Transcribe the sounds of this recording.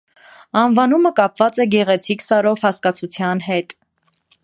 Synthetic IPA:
ɑnvɑnuməkɑpvɑt͡sɛɡɛʁɛt͡sʰiksɑɾɔvhɑskɑt͡sʰut͡sʰjɑnɦɛt̪

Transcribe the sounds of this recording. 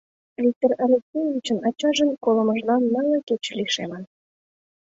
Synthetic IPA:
vʲik̚t̪orɑlʲeksʲejvʲit͡ɕənɑt͡ɕɑʒənkolə̆mə̆ʒlɑnːɑlɑket͡ɕliʃemən

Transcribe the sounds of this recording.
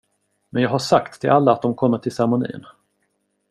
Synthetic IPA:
mɛnjɑːɡɦaʂakt̪ʰːɪlʔalːaːt̪̚d̪ɔmkʰɔmːəʈʰɪlsaɾmʊnḭːn

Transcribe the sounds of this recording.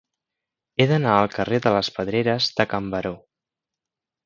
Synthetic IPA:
eðənaəlˠkəreðələspəðɾeɾəzðəkəmbəɾo

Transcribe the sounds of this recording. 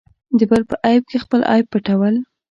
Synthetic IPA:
d̪əbaɾpəʔɑjb̚kexpəlʔɑ̰jb̚pəʈawəl

